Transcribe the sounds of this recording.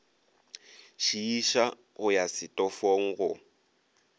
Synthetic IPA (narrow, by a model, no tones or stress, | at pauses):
ʃiiʃa | ɣʊjasɪtʼɔfoŋ̩ɣʊ